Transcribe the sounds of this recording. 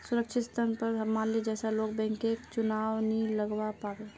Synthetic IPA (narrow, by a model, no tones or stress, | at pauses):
sʊɾəkʃʰɪt̪ʰənpəɾɐmãːnled͡ʒɛːsaloːɡ̚bɛ̃ːŋkekt͡ʃʊnaːʋniləɡwapaːɾeː